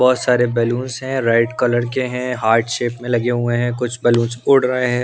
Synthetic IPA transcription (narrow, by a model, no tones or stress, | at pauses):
bɔːt̪saːɾebɛːluːnsɦɛ̃ɾaɪʈkɐləɾkeɦɛ̃ɦaːɾɖʃeːpmẽlɐɡeɦuẽɦɛ̃kʊt͡ʃʰbɛːlũːnsʊɽɾəɦeɦɛ̃ː